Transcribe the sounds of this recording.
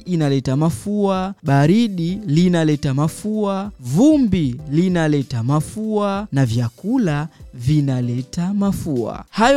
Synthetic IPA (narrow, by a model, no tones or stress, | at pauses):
inalɛtamafuaɓaɾiɗilinalɛtamafuavumbilinalɛtamafuanavjakulavinalɛtamafua̰haj